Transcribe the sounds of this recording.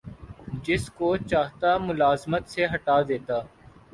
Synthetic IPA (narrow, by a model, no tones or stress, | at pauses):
d͡ʒɪskot͡ʃaːɦt̪amʊlaːzmət̪seɦɐʈaːd̪eːt̪aː